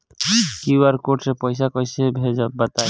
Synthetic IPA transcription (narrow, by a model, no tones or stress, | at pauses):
kiwaɾkoʈsepɔjs̬akɔjsebʱed͡ʒabət̪a